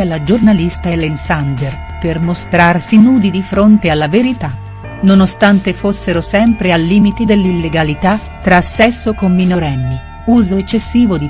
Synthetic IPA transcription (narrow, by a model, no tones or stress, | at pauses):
alad͡ʒornalist̪aelensand̪er | permost̪ɾarsinuːd̪id̪ifɾont̪ealːaveɾit̪a | nonost̪ant̪efosːeɾosɛmpɾealːiːmit̪id̪elːilːeɡalit̪at̪ːɾasːɛsːokomːinoɾɛnːi | uːzoet͡ʃːesːiːvod̪i